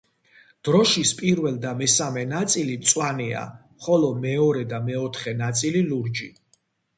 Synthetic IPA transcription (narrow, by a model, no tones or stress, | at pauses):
d̪̥ɾɔʃispʼiɾvɛld̪amɛsamɛnat̪sʼilit̪sʼwania̰ | χɔlɔmɛɔɾɛd̪amɛɔt̪ʰχɛnat̪sʼililuɾd͡ʒi